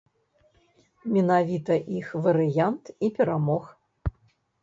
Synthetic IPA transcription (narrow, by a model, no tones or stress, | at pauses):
mʲɛnavʲit̪ɐʔixvɐɾɨjant̪ipʲɛɾamɔx